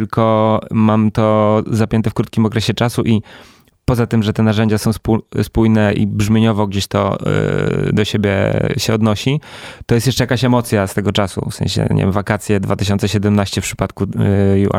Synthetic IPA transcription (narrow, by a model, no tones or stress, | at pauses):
ɘlkʰɔmamt̪ɔzapʲjɛnt̪ɛfkɾut̪kʲimɔkɾɛɕɛt͡ʂasuʔi | pɔzat̪ɘmʐɛt̪ɛnaʐɛɲd͡ʑasɔ̃w̃spuspujnɛʔḭbʐmʲjeɲɔvɔɡd͡ʑeɕt̪ɔ̰ | d̪ɔɕebʲjɛ̰ɕɛɔd̪nɔɕit̪ɔjɛst̪jɛʂt͡ʂɛjakaɕɛmɔt̪sʲjast̪ɛɡɔt͡ʂasṵfsɛ̰̃ɕɛ̰ɲɛ̰vʲjɛ̃mvakat̪sʲjɛd̪vat̪ɘɕɔntsɛɕɛd̪ɛmnaɕt͡ɕɛfpʂɘ̥pat̪kujuʔa̰